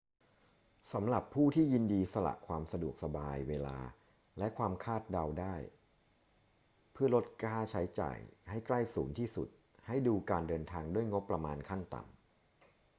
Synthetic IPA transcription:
sa˩˦mɾa˨˩pʰːuː˥˩t̪ʰiː˥˩ji˧ndiː˧sa˧la̰˨˩ʔkʰwaː˧msa˧du˨˩ək̚sa˧baː˧jweː˧la̰ː˧ | lɛ˦˥kʰwaː˧mkʰaː˥˩t̪̚da˧wdaː˥˩j | pʰɯ˥˩ɐlo˦˥t̪̚kaː˥˩t͡ɕʰa˦˥jt͡ɕa̰ː˨˩jha˥˩jkla˥˩jsuː˩˦nt̪ʰiː˥˩sṵ˨˩t̪̚ | ha˥˩jduː˧kaː˧ndɤː˧nt̪ʰaː˧ŋdu˥˩əjŋo˦˥pːɾa˧maː˧nkʰa˥˩nt̪a̰˨˩m

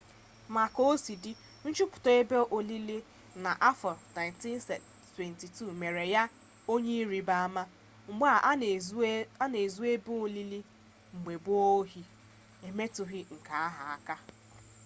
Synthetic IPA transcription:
ma˨ko˦o˦si˨di˦ | n̩˦t͡ʃu˦pʊ̥˨tɔ˨e˦be˦ʔo˨li˦li˦ | na˨ʔa˦fɔ˨na˨ɪ˨nti˦n˦se˨ | twe˨nti˨tu˦˨me˨ɾe˨ja˦ | o˦ɲe˦i˦ɾi˨ba˦a˦ma˦ | ŋ͡m̩˨ɡ͡ba˦˨˦ | a˦ne˨zu˦e˦bu˦o˦li˦li˦ | ŋ͡m̩˨ɡ͡be˨bʊ˦o˦ɦi˨ | e˨me˦tʊ˨ɦɪ˦ŋ̩˨ka˨a˦ɦa˨a˦ka˦

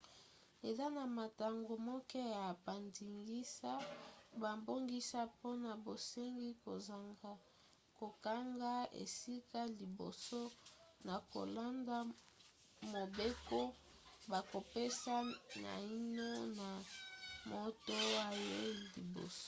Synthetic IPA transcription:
e˨za˦na˨ma˨ta˨ŋɡo˨mɔ˦kɛ˦ja˨ba˨ndi˨ŋɡi˦sa˦ba˨mbo˦ŋɡi˦sa˦po˦na˨bo˨se˦ŋɡi˦ko˨za˨ŋɡa˨ | ko˨ka˦ŋɡa˦ḛ˨si˦ka˦li˨bo̰˨so˦na˨ko̰˨la˦nda˦ | mo˨be˦ko˦ | ba˨ko˨pe˦sa˦na̰˨i˦no˦na˨mo˦to˦wa˦je˦li˨bo̰˨so̥˦

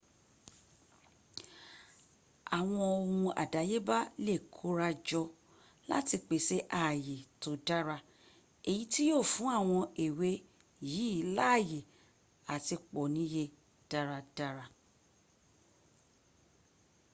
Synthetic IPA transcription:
a˨w̃ɔ̃˧o˧hũ˧a̰˨da˨˦je˦ba˦le˦˨kʰo˨˦ɾa˧d͡ʒɔ˧ | la̰˦ti˧k͡pe˨se˦ʔa˦˨je˨to˨˦da˦ɾa˧ | e˨ji˨˦ti˦joː˦˨fũ˨˦a˦˨w̃ɔ̃˧e˨we˨˦ | ji˨˦˨la˦˨je˨ | a˨ti˧k͡pɔ˨nĩ˨˦je˧ | d̥a˦ɾa˧da˦ɾa˧

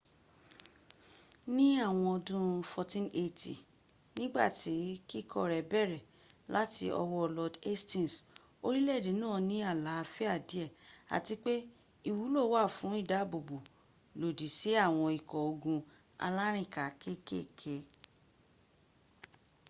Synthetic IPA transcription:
nĩ˦a˦˨w̃ɔ̃˧ɔ˧dũ˧fɔ˧tĩ˦ne˧tḭ˨ | nĩ˦ɡ͡ba̰˦˨ti˨˦ki˦˨kʰɔ˦˨ɾɛ˨bɛ˦˨ɾɛ˨ | la˦ti˧ɔ̰˧wɔ˧lɔ˧de˦stĩ˦˨n˨s | o˦ɾi˦lɛ˦˨de˨˦nãː˦˨nĩ˨˦a˦˨la˨˦˧fi˦a˦˨di˨˦ɛ˦˨a̰˨ti˧k͡pe˦ | i˦˨wu˨˦lo˦˨˦wa˦˨fũ˨˦i˦˨da˦˨bo˨bo˨ | lo˨di˨si˨˦a˦˨w̃ɔ̃˧i˨kɔ˨o˧ɡũ˧ | a̰˧la˦ɾ̃ĩ˦˨ka˨kʰe˦ke˦˨kʰe˧

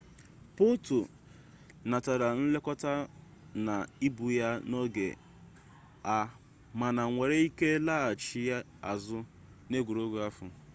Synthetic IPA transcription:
po˦tu˨ | na˨ta˨ɾa˨n̩˦le˦kɔ˦ta˦ | na˨i˦bu˨ja˦no˦ɡḛ˨ | a˦ | ma˨na˨ŋʷe˨ɾe˦i˦ke˦la˦a˨t͡ʃi˦ja˦ | a˨zʊ˦ | ne˦ɡʷu˨ɾo˦ɡʷu˨a˦fʊ̰˨

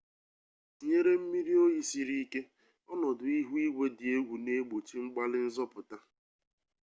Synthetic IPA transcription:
ɲe˦ɾe˦m̩˦mi˦ɾi˦o˦ji˦si˦˨ɾi˦ke˦ | ɔ˦nɔ˨dʊ˨i˦ɦu˦i˦ɡʷe˦dɪ˨e˦ɡʷu˨ne˦ɡ͡bo˨t͡ʃi˦ŋ͡m̩˦ɡ͡ba˦lɪ˦n̩˦zɔ˦pʊ˨ta˦

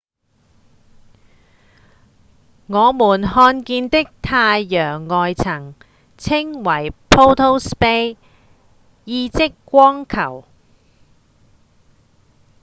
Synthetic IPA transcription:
ŋɔː˨˧muː˨˩nhɔː˧nkiː˧nt̪ɪ˥k̚t̪ʰaː˧jːœː˨˩ŋːɔː˨jt͡sʰɐ˨˩ŋ | t͡sʰɪ˥ŋwɐ˨˩jpʰo˥wt̪ʰo˥wspe˥j | jiː˧t͡sɪ˥kːʷɔː˥ŋkʰɐ˨˩w

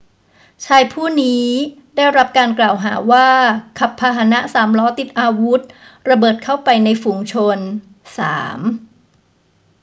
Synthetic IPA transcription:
t͡ɕʰaː˧jpʰuː˥˩niː˦˥daː˥˩jɾa˦˥p̚kaː˧nklaː˨˩wɦaː˩˦waː˥˩kʰa˨˩pʰːaː˧ɦa˧na˦˥ʔsaː˩˦mlɔː˦˥t̪i˨˩t̪̚ʔaː˧wu˦˥t̪̚ɾa˧bɤː˨˩t̪̚kʰa˥˩wpa˧jna˧jfu˧ŋt͡ɕʰo˧n | sa̰ː˩˦m

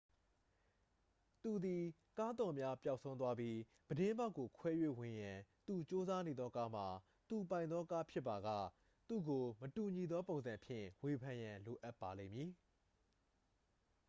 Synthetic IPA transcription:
t̪u˨d̪i˨ | ka˦d̪ɔ˨mja˦pja˦ʊʔsʰõ˦ʊ̃nt̪wa˦bji˦ | b̥ədɪ̃˦mba˦ʊkːo˨kʰwɛ˦jwḛ˦˨wɪ̃˨jã˨t̪u˨t͡ɕo˦za˦ne˨d̪ðɔ˦ka˦m̥a˨ | t̪u˨p̬ã˨ɪ̃nd̪ðɔ˦ka˦pʰjɪ˦pːa˨ɡä̰˦˨ | t̪u˦˨ɡo˨mətu˨ɲi˨d̪ðɔ˦põ˨nzã˨mpʰjɪ̰̃˦˨we˨pʰã˨jã˨lo˨ʔa˦pːa˨lḛ̃˦˨mji˨

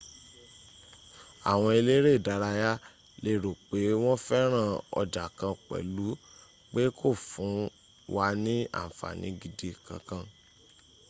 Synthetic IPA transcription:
a˨w̃ɔ̃˧e˧le˦ɾe˦˨da˨˧ɾa˧ja˦ | le˦˨ɾo˨k͡pe˨˦w̃ɔ̃˦fɛ˦ɾ̃ã˦˨ɔ̰˧da˨kã˧k͡pɛ̰˨lu˨˦ | k͡pe˦kʰo˦˨fũ˨˦ | wa˧nĩ˦ã̰˦˨fa̰˨nĩ˨˦ɡi˧de˧kã̰˧kã˧

